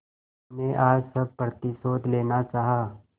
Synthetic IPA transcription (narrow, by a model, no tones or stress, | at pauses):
mẽʔaːd͡ʒsɐb̚pɾət̪ɪsoːd̪ʱleːnat͡ʃaːɦaː